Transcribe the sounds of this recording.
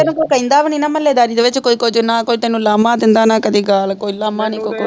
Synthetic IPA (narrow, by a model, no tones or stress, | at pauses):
ɐnukokɐind̪aːʋɐninɐmɐlːed̪aːɾid̪ʋet͡ʃɐkoikod͡ʒunːaːkojt̪ɐnulɐmːaːd̪ind̪aːnaːkɐd̪iɡaːlɐkoilɐːmːaːnikoko